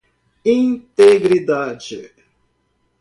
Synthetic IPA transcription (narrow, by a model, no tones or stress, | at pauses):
ĩnt̪eɡɾid̪ad͡ʒɪ